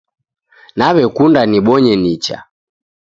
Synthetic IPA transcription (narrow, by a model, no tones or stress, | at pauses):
naβɛkundaniɓɔɲɛnit͡ʃa̰